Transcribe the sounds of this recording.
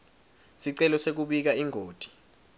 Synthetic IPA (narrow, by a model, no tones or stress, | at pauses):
siǀɛlɔsek̬uɓik̬aiŋʱoːd̥ʱi̥